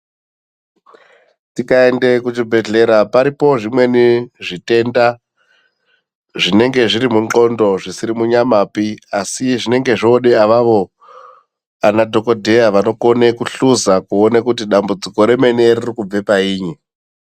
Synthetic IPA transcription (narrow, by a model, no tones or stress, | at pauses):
tikaende̞kut͡ʃibʱe̞ɮe̞ɾapaɾipo̞ʐimwe̞niʐite̞ːnda | ʐine̞ŋɡe̞ʐiɾimuŋ͡ǃo̞ndo̞ʐisiɾimuɲamapiasiʐine̞ŋɡe̞ʐoːɗeaʋaʋo̞ | anadʱo̞ko̞dʱe̞jaʋano̞ko̞ne̞kuɬuzakuonekutiɗambud͡ziko̞ɾe̞me̞ne̞ririkub͡ve̞paiːɲi